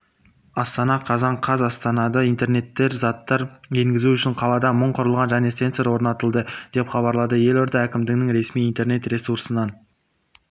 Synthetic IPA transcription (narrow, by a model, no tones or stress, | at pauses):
ɑst̪ɑnɑqʰɑzɑɴqʰɑzɑst̪ɑnɑd̪əijnt̪e̞ɾne̞t̪ːe̞ɾzɑt̪ːɑɾe̞ŋɡʲɪzuʏʃɪɴqʰɑlˠɑd̪ɑməɴqʰʊɾəlˠʁɑnʒæne̞se̞nt̪seɾwoɾnɑt̪əlˠd̪əd̪̥e̞pχɑβɑɾlˠɑd̪əje̞loɾd̪ɑækʲɪmd̪ɪɡnɪŋɾe̞smijijnt̪e̞ɾne̞t̪ɾe̞suɾsənɑn